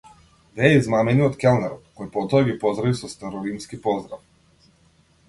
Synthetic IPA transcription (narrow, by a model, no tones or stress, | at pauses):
vɛizmamɛniɔt̪kʲɛlnɛɾɔt̪kɔjpɔt̪ɔɛɡipɔzd̪ɾavisɔst̪ɛɾɔlimskipɔzd̪ɾaf